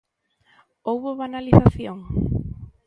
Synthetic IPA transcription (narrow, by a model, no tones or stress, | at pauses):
owβoβanaliθaθjoŋ